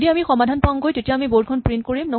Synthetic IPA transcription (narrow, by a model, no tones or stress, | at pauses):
diamixɔmadʱanpaŋɡojzetijaamibod̚kʰɔnpɹintkoɹimno